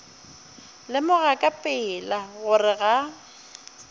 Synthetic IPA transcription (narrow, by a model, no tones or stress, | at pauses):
lɪmʊɣakʼapʼɪːlaɣʊrɪɣa